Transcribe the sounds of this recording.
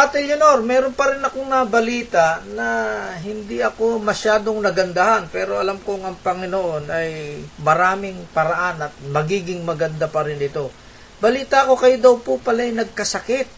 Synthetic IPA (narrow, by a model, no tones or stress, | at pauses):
at̪ɛlɐnoɾmɛːɾo̞npɐɾɪnɐko̞ŋnɐɐbɐliːt̪ɐʔnɐɦɪnd̪iɐko̞mɐʃaːd̪o̞ŋnɐɡɐnd̪ahanpɛːɾo̞ɐlamkoŋɐŋpɐŋɪnoʔo̞nʔɐjmɐɾaːmɪŋpɐɾɐʔanɐt̪̚mɐɡiːɡɪŋmɐɡɐnd̪apɐɾɪnɪt̪o̞ | bɐliːt̪ɐko̞kɐjod̪ɐwpopɐlajnɐɡ̚kɐsɐkɪt̪̚